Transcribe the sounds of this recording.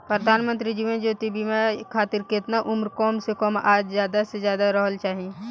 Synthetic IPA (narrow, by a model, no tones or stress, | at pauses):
pɾəd̪ʱaːnmə̃nt̪ɾid͡ʒiʋẽnd͡ʒoːt̪ibʱimẽkʰaːt̪ɪɾkɪt̪naʔʊmɾkɔːmsekɔmaːd͡ʒzjaːd̪asezjaːd̪aɾəɦəlt͡ʃaːɦi